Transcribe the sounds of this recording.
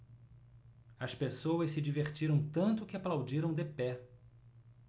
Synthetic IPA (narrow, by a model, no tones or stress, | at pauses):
ɐspesowɐssɪd͡ʒiveɾt͡ʃiɾɐ̃w̃t̪ɐ̃nt̪ʊkɪaplawd͡ʒiɾɐ̃w̃d̪epɛ